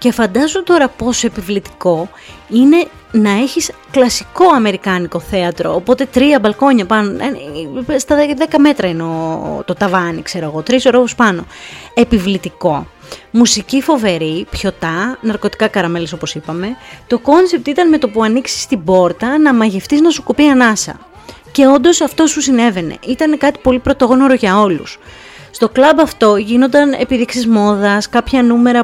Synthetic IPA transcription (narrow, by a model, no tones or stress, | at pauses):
ce̞fɐnd̪ɐzut̪o̞ɾɐpo̞soepivlit̪i̥ko̞ | ine̞ | nɐe̞çis | klɐsi̥ko̞ɐme̞ɾikɐniko̞θe̞ɐt̪ɾo̞̰ːpo̞t̪e̞t̪ɾiɐbɐlko̞ɲɐpɐnonst̪ɐðeðe̞kɐme̞t̪ɾɐineot̪o̞t̪ɐvɐnikse̞ɾoɣo̞t̪ɾisoɾovospɐno̞e̞pivlit̪iko̞ | musicifo̞ve̞ɾipço̞t̪ɐnɐɾko̞t̪i̥kɐkɐɾɐme̞leso̞po̞sipɐme̞t̪o̞ko̞nse̞p̚t̪it̪ɐnme̞t̪opuɐniksi̥st̪ibo̞ɾt̪ɐnɐmɐʝe̞ft̪iznɐsukupiɐnɐsɐ̰ | ce̞o̞nd̪o̞sɐft̪o̞susine̞ve̞ne̞̰ʔit̪ɐne̞kɐt̪i̥po̞lipɾo̞t̪oɣno̞ɾoʝɐo̞lṵs | st̪o̞klɐbɐft̪o̞ʝinond̪ɐne̞̰piðiksizmo̞ðɐskɐpçɐnume̞ɾɐ